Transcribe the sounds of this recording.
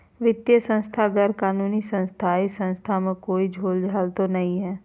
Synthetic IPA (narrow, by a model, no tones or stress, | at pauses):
ʋɪt̪jəsə̃nst̪ʰaɡəɾkaːnuːnisə̃nst̪ʰaːisə̃nst̪ʰamẽkoːid͡ʒʱoːld͡ʒʱaːlt̪onɐɦĩɦɛː